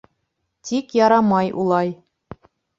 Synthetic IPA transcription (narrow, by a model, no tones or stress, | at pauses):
t̪ikjɑɾɑmɑjṵlˠɑj